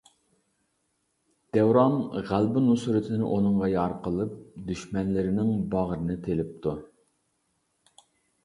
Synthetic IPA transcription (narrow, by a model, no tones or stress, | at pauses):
d̪̥ɛwɾɑnʁælbɪnusuɾɪt̪ʰɪnɪ̰ʔonɨŋʁɑjɑɾqʰəlˠɨp̚d̪yʃmɛnlɪɾɪnɪŋbɑʁɾɨnɨt̪ʰelɪp̚t̪ʰu